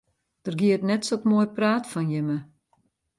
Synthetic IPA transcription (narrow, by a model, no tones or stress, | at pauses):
d̥ərɡiətnɛtsotmoəjpraːtfɔnjəmə